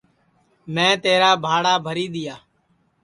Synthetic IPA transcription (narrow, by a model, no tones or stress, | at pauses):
mɛ̃ːt̪eːɾaːbʱaːɽaːbʱəɾiːd̪ɪjaː